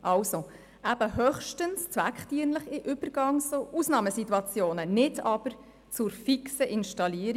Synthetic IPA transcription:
ʔɑwso | ʔæb̥əhœχʃtənst͡svækχtiənləχɪʔʏb̥əɾɡ̥ɑŋsoʔusnɑːməsituɑt͡sjoːnənɪdɑb̥əɾ | t͡sʊɾfiksəʔɪnʃtɑliːəɾ

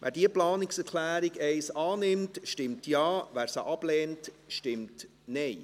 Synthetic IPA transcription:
ʋʔæ̰ːɾdiəplɑːnɪksɛɾkʰlæːɾiɡɛɪsɑːnɪmtʃtɪmtjɑːvæːɾsə̰ʔɑb̥lɛːnt | ʃtɪmt | nɛɪ

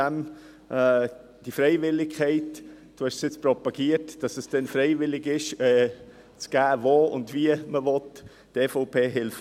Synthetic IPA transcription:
ɛm | ʔɛː | d̥ifɾɛɪvɪlɪkkʰɛɪt | d̥uhɛʃsjɪt͡spɾɔpɑɡ̥iətd̥ɑsəsd̥ɛnfɾeɪvɪlɪɡɪʃɛ | t͡sɡ̥æːvoːʊ̰ndviəməvɔt | d̥efoʊpʰeːɦɪlf

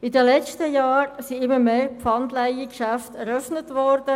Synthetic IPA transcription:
ɪdəlɛt͡ʃtəjɑːɾsiɪmːəmeːpfɑndlaɪikʃæftɛɾœfnətʋɔɾd̥ə

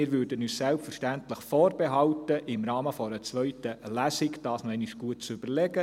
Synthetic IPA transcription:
ɪːɾʋʉːɾdənyːssælpfərʃtæntləχfoːɾbeɦɑltəʔɪmrɑːməfɔɾət͡sʋœɥtəlæsɪkd̥ɑːsnɔɛniʃɡ̥uət̚t͡sʏb̥əɾlɛɡə

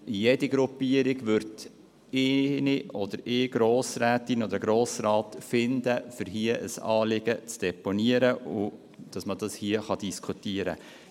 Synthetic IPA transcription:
jediɡɾupiəɾɪɡʋʏɾd | ɪniʔɔd̥̪əɾɪːɡɾoːsɾæːtinɔd̪əɾɡɾoːsrɑːtfɪnd̪əfʏɾɦiəʔəsɑːlɪɡ̥ət͡sd̥ɛponiəɾəʊ | d̥ɑsmədɑshiəχɑd̥iskʰutiəɾə̰

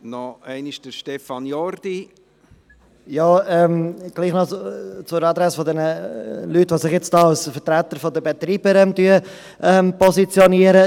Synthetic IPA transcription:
nɔɛɪniʃd̥əɾʃtɛfɑnjɔɾd̥̪i | jɑːɛmɡ̥liːχnɔt͡sʊɾɑd̪ɾɛsfod̪ɛnəlytʋosɪχjɛt͡stɑlsfətɾæt̪əɾfodəbet̪ɾiːb̥əɾɛmtyə | ʔɛmpɔsit͡sjoniəɾə

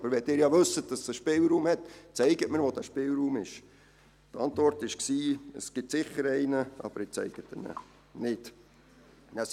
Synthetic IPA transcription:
ɑbəɾʋɛd̥ɪːɾjɑʋɵsət̚d̥ɑsəʃpɪlˠɾuːmhɛtt͡sɛɪɡətmɪɾʋod̥æʃpɪlɾuːmɪʃ | tɑntvɔrtɪʃksiːəsɡ̥ɪtsɪχəɾɛɪnəʔɑ̰b̥əɾɪt͡sɛ̰ɪɡ̥ət̪ənə̰ | nɪt | næ

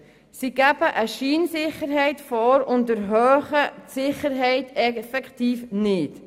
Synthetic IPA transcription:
siɡæb̥əʔəʃiːnsɪχəɾɦɛɪtfɔːɾʊntəɾɦœːχətsɪχəɾɦɛɪtɛfɛkχtiːfnɪt

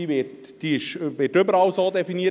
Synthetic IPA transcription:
ivɪt | d̥iːɪʃʋɪːtʏbəɾɑwsoːd̪ɛfiniːə

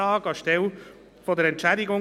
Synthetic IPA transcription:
ɑːɡɑʃtɛl | foːdɛɾɛntt͡ʃɛɪdɪɡʊŋ

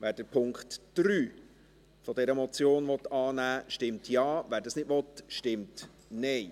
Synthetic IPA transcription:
ʋæːɾdəpʰʊŋkχtd̥ɾyː | fɔdɛɾəmɔt͡sjoːnvɔtːɑːnæːʃtɪmtʰjɑːvæːɾdɑsnɪtʋɔtʃtɪmt | nɛɪ

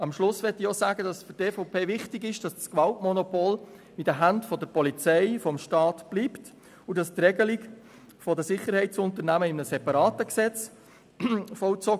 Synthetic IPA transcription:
ɑmʃlʊsʋɛtiɔːsæːɡədɑsfʏteːfɔʊpʰeːvɪχtɪɡɪʃd̥ɑsskʋɑltmɔnɔpol | idəɦæntfɔdəɾpɔlit͡sɛɪfɔmʃtɑːtb̥liːpt | udɑst̪rɛɡəliɡ | fɔdəsɪχːəɾhɛɪtt͡sʊnt̪əɾnæməɪmnəsɛpɑɾɑːtəksɛt͡s | fɔʊt͡sɔ

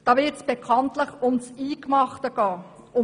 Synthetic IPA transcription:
d̥ɑːʋɪtsb̥ekʰɑntləχʊmt͡siːkmɑχtəɡɑː | ʊ

